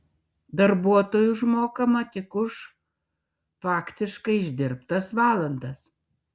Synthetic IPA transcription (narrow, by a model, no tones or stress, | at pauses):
d̪ɐɾbuɔt̪oːjuʒmoːkɐmɐt̪ʲɪkʊʃ | fɑːkt̪ʲɪʃkɐɪɪʒʲd̪ʲɪɾpt̪ɐsʋɑːlˠɐnd̪ɐs